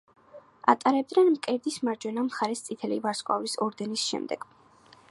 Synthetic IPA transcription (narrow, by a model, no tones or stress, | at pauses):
a̰t̪ʼaɾɛb̚d̪nɛnmkʼɛɾd̪ismaɾd͡ʒwɛnamχaɾɛst̪sʼit̪ʰɛlivaɾskʼwa̰visɔɾd̪ɛnisʃɛ̰md̪ɛ̰ɡ̥